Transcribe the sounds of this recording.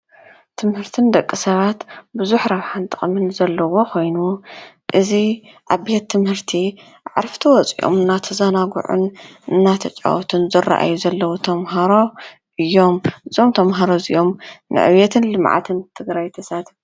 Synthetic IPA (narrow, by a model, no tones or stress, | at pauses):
t̪ʰɨmhɨɾt̪ʰɨnd̪ɐkʼːɨsɐβat̪buzuħɾaβħant̪ʰʼɨxʼmɨnzɐlːɐwo̞kʰo̞jnu | ʔɨzi | ʔaβbet̪ʰːɨmhɨɾt̪ʰi | aʕɾft̪ʰiwɔt͡sʼḭʔo̰mɨnːat̪ʰɐzɐnaɡṵʕṵnɨnːat̪ʰɐt͡ʃʼa̰wɔt̪ʰɨnzɨra̰ʔa̰juzɐlːɐwot̪ʰɐmɦaɾo̞ | ʔɨjːo̞mɨzomt̪ʰɐmɦaɾozḭʔo̞mnʔɨ̰ʕɨ̰βjɛt̪ʰɨnlɨmʕa̰t̪ʰɨnt̪ʰɨɡɾajt̪ʰɐsat̪f